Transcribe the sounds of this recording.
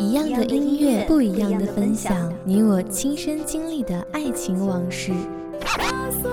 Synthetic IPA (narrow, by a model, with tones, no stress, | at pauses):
i˧˥jɑ˥˩ŋd̪ə˩ʔi˥nɥɛ˥˧pu˥˩i˧˥jɑ˥˩ŋd̪ə˩fə˥nɕjɑ˨˦ŋni˧˥wɔ˨˩t͡ɕʰi˥ŋʂə˥nt͡ɕi˥ŋli˥˩d̪ə˩a˥˩ɪt͡ɕʰi˧˥ŋwɑ˧˥ŋʂɻ̩˥˩